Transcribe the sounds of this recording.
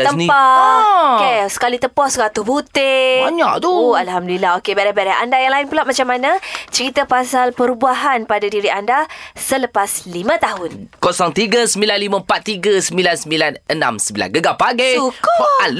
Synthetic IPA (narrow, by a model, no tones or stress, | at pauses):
t̪əmnipa | kesə̥kalit̪əpɔskat̪uhbut̪ɪaɲaʔt̪ualhamdəlilaɦokebaɾɛhbaɾɛha̰ndajaŋlaɪnpulaʔmat͡ʃamːanət͡ʃəɾit̪əpasalpəɾubaɦanpadadiɾiʔandasələpaslimə̃t̪aɦʊnkosɔŋt̪iɡəsəmbilanlimə̃pat̪̚ːiɡəsəmbilansəmbilanənã̰msəmbila̰nɡəɡapaɡesuka